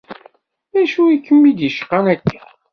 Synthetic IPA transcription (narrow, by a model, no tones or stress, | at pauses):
ðæʃuikːəmːid̪əʃqːanækʰːæ̥